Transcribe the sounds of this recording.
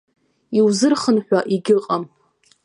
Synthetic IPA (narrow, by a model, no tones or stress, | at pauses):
iwzɨrχənħʷᶣaʔiɡʲɪqʼam